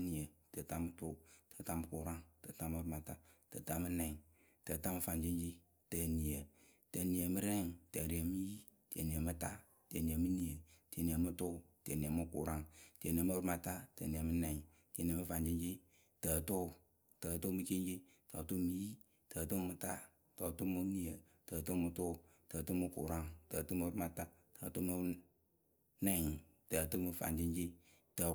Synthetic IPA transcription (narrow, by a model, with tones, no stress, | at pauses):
ni˨ə˨tə˨ta˨˦mɨ˦tʊ˦tə˨ta˦mɨ˦ku˨ɾa˦ŋtə˨ta˦mɨ˧˦ɾma˨ta˦tə˨ta˨mɨ˦nɛ˨ŋ | tə˨ta˦mɨ˦fa˨ɲd͡ʒi˦nd͡ʒi˦ | tə˨ni˨ə˨ | tə˨ni˨ə˨mɨ˦ɾɛ˦˨ŋtə˨ɾi˨ə˨mi˦ji˦ | ti˨ə˨ni˨ə˨mɨ˦ta˦˨ | tə˨ni˨ə˨mɨ˦ni˨ə˨ti˨e˨ni˨ə˨mɨ˦tʊ˦˨ti˨e˨ni˨ə˨mɨ˦kṵ˨ɾa˦˨ŋtə˨ni˨mɨ˦ɾma˨ta˦tḛ˨ni˨ə˨mɨ˦nɛ˨ŋ | ti˨e˨ni˨mɨ˦fa˨nd͡ʒi˦nd͡ʒi˦ | təː˨tʊ˦˨ | təː˨tu˦mɨ˦t͡ʃi˦nd͡ʒi˦ | to˨tu˦mɨ˦ji˦ | təː˨tu˦mɨ˨ta˦ | to˨tu˦mɨ˧˦ni˨ə˨ | təː˨tu˦mɨ˨tʊ˦˨təː˨tu˦mɨ˦kṵ˨ɾa˦ŋtə˨tu˦mu˧˦ɾu˦ma˧ta˦ | tə˨tu˦mɨ˧ | nɛ˨ŋ˨ | tə˨tu˦mɨ˧fa̰˨nd͡ʒi˦n˦d͡ʒi˦ | tə˨